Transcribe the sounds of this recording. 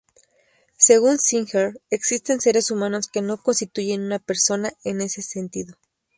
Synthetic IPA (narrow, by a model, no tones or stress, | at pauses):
se̞ɣunsiŋxeɾeksist̪e̞nse̞ɾe̞sumãno̞ske̞no̞ko̞nst̪it̪uʝe̞nunape̞ɾso̞nae̞ne̞se̞sent̪iðo̞